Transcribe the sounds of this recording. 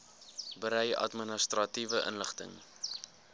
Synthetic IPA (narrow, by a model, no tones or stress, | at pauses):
bəɾɛjɐ̰tmənəst̪rɐtivəʔə̰nləχtə̰ŋ